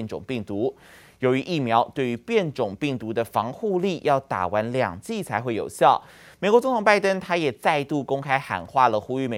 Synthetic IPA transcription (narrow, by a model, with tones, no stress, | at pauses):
nʈ͡ʂʊ̰˨˩ŋpi˥˩ŋt̪u˧˥ | jo˧˥ʊy˧˥ʔi˥˩mjɑ˧˥ʊt̪we˥˩ɪy˧˥pjɛ˥˩nʈ͡ʂʊ˨˩ŋpi˥˩ŋt̪u˧˥d̪ə˧fɑ˧˥ŋxu˥˧li˥˨jʔɑ˥˩ʊt̪a̰˨˩wa˧˥nljɑ̰˨˩ŋt͡ɕi˥˩t͡sʰa˧˥ɪxwe˥˩ɪjo̰˨˩ʊɕjɑ˥˩ʊ | me˨˩kwɔ˧t͡sŋt̪ʰʊ˨˩ŋpa˥˩ɪt̪ə˥ŋt̪ʰa˥jɛ˨˩t͡sa˥˧ɪt̪u˥˩kʊ˥ŋkʰa˥ɪxa̰˨˩nxwa˥˩lə˩xu˥y˥˩me˨˩